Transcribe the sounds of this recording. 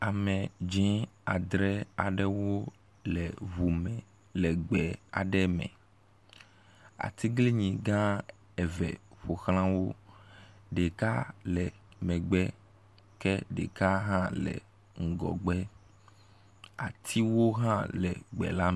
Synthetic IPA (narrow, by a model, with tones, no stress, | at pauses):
a˨mɛ̃˨d͡ʒɛ̃˦a˨d̪ɾɛ˦a˨ɖɛ˦wo˦ | lɛ˨βu˨mɛ̃˨ | lɛ˨ɡ͡bɛ˨a̰˨ɖɛ˦mɛ̰̃˨ | a̰˨t̪i˦ɡle˦ɲĩ˨ɡã˦ | ɛ˨vɛ̰˨ɸo˨xlã˦wo˦ | ɖe˨ka˦lɛ˨ | mɛ̃˨ɡ͡bɛ˦ | kɛ˦ɖḛ˨ka˦ɦã˦lɛ̰˨ | ŋ̩˨ɡɔ̰˨ɡ͡bɛ˦ | a̰˨t̪ʰi˦wo˦ɦã˦lɛ̰˨ɡ͡bɛ̰˨la˦